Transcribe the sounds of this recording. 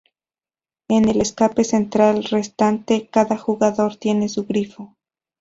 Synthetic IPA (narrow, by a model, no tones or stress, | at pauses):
e̞ne̞leskape̞se̞nt̪ɾalre̞st̪ant̪e̞kaðaxuɣaðo̞ɾt̪je̞ne̞suɣɾifo̞